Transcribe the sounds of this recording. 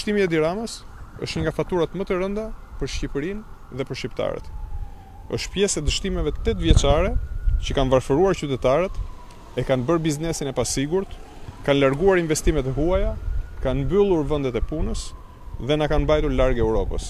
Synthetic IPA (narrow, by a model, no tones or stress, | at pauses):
əʃt̪imiɛd̪iɾaməs | ə̰ʃt̪ɲəŋɡafat̪uɾat̪mət̪əɾənd̪apəɾʃcipəɾin | ðɛpəɾʃcipt̪a̰ɾɛ̰t̪ | ə̰ʃt̪pjɛsɛd̪əʃt̪imɛvɛt̪ːɛt̪vjɛt͡ʃaɾɛt͡ɕəkanvaɾfəɾuaɾt͡ɕyt̪ɛt̪aɾɛt̪ | ɛkanbəɾbiznɛsinɛpasiɡuɾt̪ | kanlaɾɡuaɾinvɛst̪imɛt̪ɛɦuajakanbylˠuɾvɛnd̪ɛt̪ɛpunəs | ðɛnakanbajt̪uɾlaɾɡɛwɾɔpə̰s